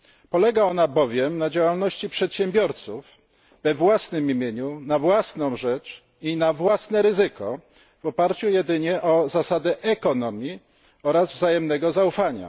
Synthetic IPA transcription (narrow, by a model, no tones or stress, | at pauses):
pɔlɛɡaɔnabɔvʲjɛmnad͡ʑawalnɔɕt͡ɕipʂɛt̪ɕɛmbʲjɔɾt̪suv | vɛvwasnɘmimʲjeɲunavwasnɔ̃w̃ʐɛt͡ʂ | inavwasnɛɾɘzɘkɔ | vɔpaɾt͡ɕujɛd̪ɘɲɛʔɔzasad̪ɛʔɛkɔnɔmʲji | ɔɾazvzajɛmnɛɡɔzaufaɲa̰